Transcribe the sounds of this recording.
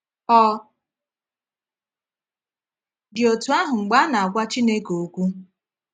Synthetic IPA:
ɔ˦ | dɪ˨o˨tu˨a˦ɦʊ˨ŋ͡m̩˨ɡ͡ba˦na˨a˨kʷa˦t͡ʃi˦ne˦ko˨˦kʷu˦

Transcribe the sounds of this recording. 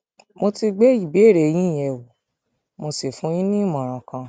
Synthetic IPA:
mo˧ti˧ɡ͡be˦i˦˨be˨˦˨ɾe˨j̃ĩ˦˨ɛ˨wu˨ | mo˧si˨fũ˨˦j̃ĩ˦nĩ˦mɔ̃˨ɾ̃ã˨kã˧

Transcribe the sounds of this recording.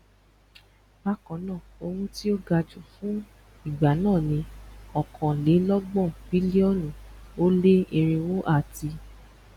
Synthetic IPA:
ba˦kɔ̃˨˦nãː˦˨o˧hũ˦ti˦o˦ɡa˧d͡ʒu˨fũ˨˦ | i˦˨ɡ͡ba˨nãː˦˨nĩ˧˦ɔ˨kʰɔ̃˨le˨˦lɔ˦ɡ͡bɔ̃˦˨bi˨˦le˦ɔ˦˨nũ˨o˦le˦e˧ɾe˧wo˦ʔa˦˨ti˧

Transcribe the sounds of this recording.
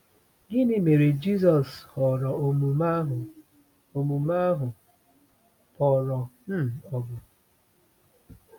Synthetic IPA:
ɡɪ˦nɪ˦me˨ɾe˨d͡ʒi˦s̬ɔ˨shɔ˨ɾɔ˨o˨mu˨ma˦ɦʊ˨ | o˨mu˨ma˦ɦʊ˨ | pɔ˨ɾɔ˨m̩˦˨ɔ˨ɡʊ˨

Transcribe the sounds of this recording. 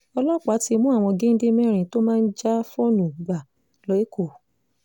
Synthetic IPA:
ɔ˧lɔ˦˨k͡pa˨˦ti˧mũ˦a˨w̃ɔ̃˧ɡe˦n̩˦de˦mɛ̃˦˨ɾ̃ĩ˨to˦mãː˦˧n̩˦d͡ʒa˦fo˦nũ˨ɡ͡ba˨ | lɔ˨˦e˦kʰo˦˨

